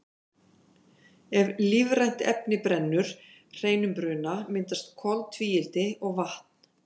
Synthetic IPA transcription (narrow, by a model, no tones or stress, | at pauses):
ɛvlivrajn̥t̪ɛ̰pnɪpɾɛnːʏɾ̥ | r̥eːjnʏmpɾʏːnamɪnt̪ast̪̚kʰɔlt̪ʰviːjɪlt̪ɪɔɣvaht̪n̥